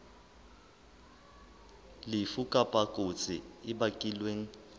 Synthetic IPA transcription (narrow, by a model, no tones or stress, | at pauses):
lɪfukʼapʼakʼot͡sʼɪɪbakʼilweːŋ̩